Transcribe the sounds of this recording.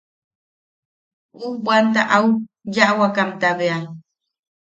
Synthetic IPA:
ubwant̪aʔawjaʔwakamt̪aβea

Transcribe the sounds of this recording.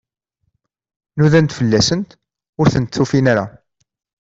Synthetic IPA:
nuðænt̪fəlːæsənt̪ | ʊɾθənt̪θːufinaɾa

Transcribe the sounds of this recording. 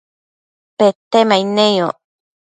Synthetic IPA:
pet̪emainẽjo

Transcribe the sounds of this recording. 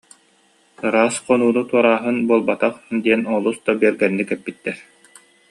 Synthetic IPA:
ɾaːsqɔnuːnut̪uɔɾaːɦɯnbuɔlˠbat̪aχd̪iɛnɔlˠusd̪abiɛɾɡɛnːikɛpːit̪ːɛɾ

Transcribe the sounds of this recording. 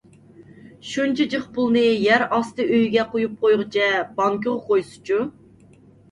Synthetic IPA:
ʃunt͡ʃʰɛd͡ʒəχpʊlˠnɨjæɾɑst̪ɨøjɡʲɛqojup̚qʰojʁɨt͡ʃʰɛb̥ɑŋkʲoʁʊqojsu̥t͡ʃʰu

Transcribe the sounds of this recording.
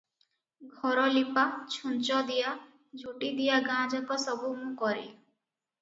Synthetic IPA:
ɡʱɔɾɔlipat͡ʃʰunt͡ʃɔd̪ija | d͡ʒʱuʈid̪ijaɡãːd͡ʒɔkɔsɔbumũkɔɾḭ

